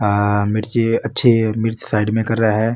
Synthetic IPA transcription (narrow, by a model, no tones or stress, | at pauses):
mɪɾt͡ʃeɐtːʃʰemɪɾt͡ʃsaːɪɖmẽkɐɾːɐɦaɦɛː